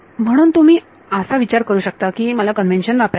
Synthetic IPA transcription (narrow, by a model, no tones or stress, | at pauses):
m̤əɽ̃uːnt̪um̤iː | əsaʋit͡ɕaɾkəɾuːɕək̚t̪akiːməlakənʋenɕənʋapɾa